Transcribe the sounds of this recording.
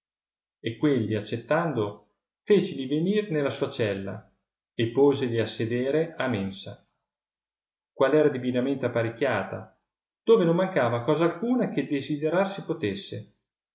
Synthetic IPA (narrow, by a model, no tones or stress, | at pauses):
ekːwelːiat͡ʃːet̪ːand̪o | feːt͡ʃiliveniːrnelːasuːat͡ʃɛlːa̰ | epːoːzeʎiasːed̪eːɾeamensa | kwalɛːɾad̪ivinament̪eapːaɾekʲːjaːt̪a̰ | d̪̥oːvenomːaŋkaːvakɔːzalkuːnak̟ed̪ezid̪eɾarsipot̪esːe